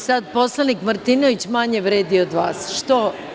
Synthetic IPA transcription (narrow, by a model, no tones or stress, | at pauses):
sad̪̚po̞slˠanikmaɾt̪inoʋit͡ɕmaɲeʋɾeːd̪iod̪ʋaːsʃt̪o